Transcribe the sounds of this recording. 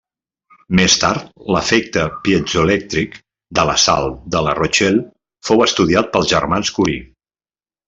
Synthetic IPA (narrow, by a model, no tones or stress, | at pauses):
mest̪a̰ɾt̪̚ləfɛk̚t̪əpiəd͡ʒulɛk̚t̪ɾik | d̪ələsa̰lˠd̪ələrot͡ʃɛl | fowəst̪uðiat̪̚pəlˠzʒərmanskuɾḭ